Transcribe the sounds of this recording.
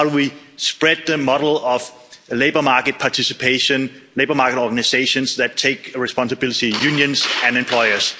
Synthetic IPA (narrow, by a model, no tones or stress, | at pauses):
haʊduwispɹɛd̪̚ðəmɑɾl̩ˠʌv | leɪbəmɑːkɨt̚pʰɑtʰisɨpʰeɪʃə̃nleɪbəmɑkəɾɔɡæniseɪʃə̃nsðætʰeɪkɹɛspɑ̃nsəbɪlˠɪtijʉ̃njə̃nsæ̃nɨ̃mpʰl̥ɔɪəs